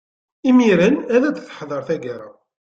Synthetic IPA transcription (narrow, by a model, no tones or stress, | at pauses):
imiɾənæðæd̪θə̥ħðˤəɾθæɡæɾa